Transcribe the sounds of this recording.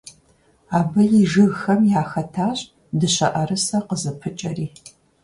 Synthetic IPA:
aːbɐjɪʒɨɣxɐmjaːxɐtʰaːɕʼ | dɨɕɐ̰ʔɐɾɨsɐqəzɨpʰɨt͡ʃʼɐriː

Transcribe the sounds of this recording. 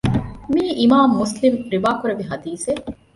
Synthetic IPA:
miːʔimaːmːuslimɾiʋaːkuɾɐʋiɦɐd̪iːse

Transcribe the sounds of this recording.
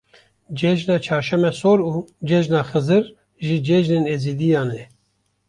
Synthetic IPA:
d͡ʒɛd͡ʒnɑːt͡ʃʰɑːɾʃɛmɛsoːɾuːd͡ʒɛd͡ʒnɑːxɨzɨɾ | ʒid͡ʒɛʒneːneːziːd̪ijɑːnɛ

